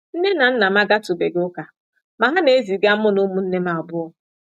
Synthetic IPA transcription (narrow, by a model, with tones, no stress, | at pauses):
n̩˦ne˦na˨n̩˦na˨ma˦ɡa˦tʊ˨be˨ɡʊ˦ka˨ | ma˨ɦa˦ne˨˦zi˨ɡa˦m̩˦mʊ˦nu˦mu˨n̩˦ne˦ma˨ɔ˨bʊ˦ɔ˦